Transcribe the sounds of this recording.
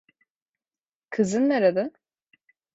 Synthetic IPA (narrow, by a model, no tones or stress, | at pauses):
kʰɯzɯnːeɾad̪ɯ